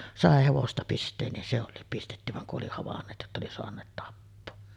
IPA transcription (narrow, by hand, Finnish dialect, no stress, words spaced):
sɑˑe heʋostɑ pistˑeːn nin se olˑiːp pistetːy ʋɑŋ kuʔ ʔoli hɑʋɑnːeːt jotːɑ oli soɑnˑeːt tɑpːoː